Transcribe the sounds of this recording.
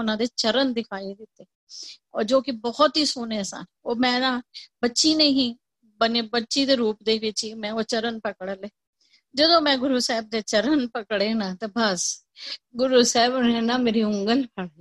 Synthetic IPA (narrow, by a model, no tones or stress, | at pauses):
ʊnãːd̪eːt͡ʃəɾənd̪ɪkʰaːid̪ɪt̪ːeː | ɔːɾd͡ʒoːkɪbɔːt̪ɦiːsoːneːsa̰ːn | oːmɛ̃ːnãːbətːʃiːnẽːɦĩː | bəneːbətːʃiːd̪eːɾuːpd̪eːʋɪt͡ʃiːmɛ̃ːot͡ʃəɾənpəkəɽəleː | d͡ʒəd̪õːmɛ̃ːɡʊɾuːsɛːb̚d̪eːt͡ʃəɾənpəkɽeːnãːt̪eːbəs | ɡʊɾuːsɛːbʊnẽːnaːmeːɾiːʊŋɡəlpʰəɽ